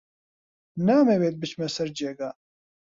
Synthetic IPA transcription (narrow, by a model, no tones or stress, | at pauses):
naːmɛweːt̪̚bɨt͡ʃmɛsɐɾd͡ʒeːɡaː